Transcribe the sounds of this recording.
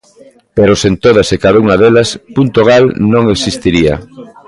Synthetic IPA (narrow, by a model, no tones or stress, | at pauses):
peɾosent̪oð̞ɐsekaðauŋɐðelɐspunt̪oɣ̞alnõŋeksist̪iɾiɐ̰